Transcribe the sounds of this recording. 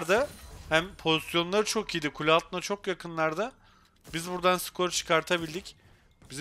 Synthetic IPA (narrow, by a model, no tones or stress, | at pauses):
ɾd̪ahæmpʰo̞zisjo̞nlˠaɾɯt͡ʃʰo̞kijd̪ikʰulʲalˠt̪ʰɯnat͡ʃʰo̞kjakʰɯnlˠaɾd̪a | bizbuɾd̪ansɯ̥kʰo̞ɾt͡ʃʰɯ̥kʰaɾt̪ʰabilʲd̪ic | biz